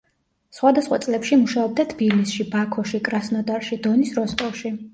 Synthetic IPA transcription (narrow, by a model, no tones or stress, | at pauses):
sχwad̪asχwa̰t̪ʼlɛpʃimuʃaɔb̚d̪at̪ʰb̥ilisʃibakʰɔʃikʼɾasnɔd̪aɾʃid̪ɔnisɾɔst̪ʼɔlˠʃi